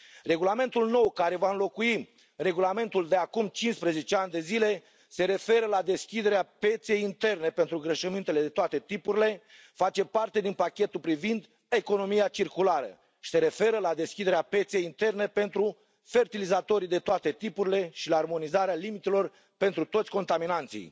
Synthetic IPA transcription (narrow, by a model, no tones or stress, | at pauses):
re̞ɡulame̞nt̪ulno̞wkaɾe̞vaɨnlo̞kui | re̞ɡulame̞nt̪uld̪e̞akumt͡ʃinspɾeze̞t͡ʃeanʲd̪e̞zile̞ | se̞ɾe̞fe̞ɾəlad̪e̞skʲid̪e̞ɾeape̞t̪se̞jint̪e̞rne̞pent̪ɾuɡɾeʃəmint̪e̞le̞d̪e̞t̪oat̪e̞t̪ipuɾile̞ | fat͡ʃe̞part̪e̞d̪inpakʲe̞t̪ulpɾivind̪ | e̞ko̞no̞mijat͡ʃirkulaɾə̰ | ʃi̥se̞ɾe̞fe̞ɾəlad̪e̞skʲid̪e̞ɾeape̞t̪se̞jint̪e̞rne̞pe̞nt̪ɾu | fe̞rt̪ilizat̪o̞ɾid̪e̞t̪oat̪e̞t̪ipuɾile̞ʃilaːrmo̞nizaɾealimit̪elo̞r | pe̞nt̪ɾut̪o̞t̪sʲko̞nt̪aminant̪sḭj